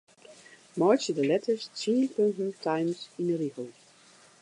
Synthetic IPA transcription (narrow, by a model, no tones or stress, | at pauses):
mɑɹt͡ʃədəlɛtʰə˞stʰĩːnpø̃ntn̩tʰãjmsĩnəɾihəlˠ